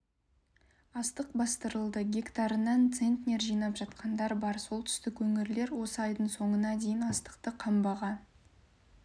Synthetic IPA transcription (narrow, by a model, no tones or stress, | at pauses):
ɑst̪əqbɑst̪əɾəlˠd̪əɡʲekt̪ɑɾənɑnt̪se̞nt̪nʲe̞ɾʒijnɑpʒ̥ɑt̪̚qɑnd̪ɑɾbɑɾso̞lˠt̪ʰʏ̥st̪ɪkwɵŋɪɾle̞ɾwo̞səɑjd̪əɴso̞ɴənɑd̪e̞jɪnɑst̪ə̥qt̪əqʰɑmbɑʁɑn